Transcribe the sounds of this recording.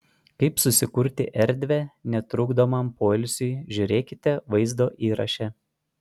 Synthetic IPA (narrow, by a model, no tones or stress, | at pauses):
kɐɪpsʊsʲɪkʊɾʲt̪ʲɪʔɛɾʲd̪ʲʋʲɛnʲɛt̪ɾʊːɡd̪oːmɐmpoːlʲsʲʊʒʲʊɾʲeːkʲɪt̪ʲɛʋɐɪzd̪oːʔiːɾɐ̰ʃʲɛ